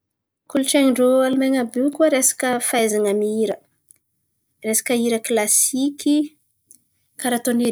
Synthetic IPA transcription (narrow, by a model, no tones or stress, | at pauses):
kult͡ʃeŋɳɖ͡ʐoalumeŋabukuaɾesḁkəfajzaŋamiiɾə | resḁkəiɾəklasikʲi | kaɾat̪oni